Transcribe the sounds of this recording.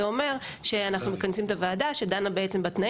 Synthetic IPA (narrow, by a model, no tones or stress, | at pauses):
eo̞me̞ʁʃe̞anaχnume̞kansimet̪avaːdaʃed̪anabeet͡sembat̪na